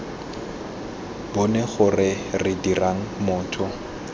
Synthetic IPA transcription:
bɔnɛχʊrɪ | rɪdiraŋ̩mʊːtʰɔ

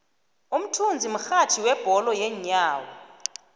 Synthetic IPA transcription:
um̩tʰund͡zʱim̩xatʰiwɛb̥ʱɔlɔjɛɲaːwɔ

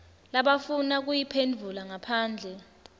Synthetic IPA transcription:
laɓafunak̬ujipʰend͡ɮʱulaŋapʰaːnd͡ɮʱɛ

